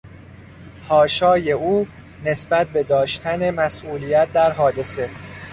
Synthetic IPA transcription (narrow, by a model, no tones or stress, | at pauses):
hɒːʃɒːje̞uː | ne̞sbæt̪̚ʰbe̞d̪ɒːʃt̪ʰæne̞mæsʔuːliːjæt̪̚d̪æɾɦɒːd̪e̞se̞